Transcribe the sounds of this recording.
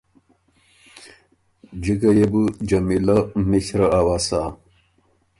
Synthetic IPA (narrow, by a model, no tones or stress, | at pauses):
d͡ʑiɡɐjebud͡ʑɐmilɐmiɕɾɐawasa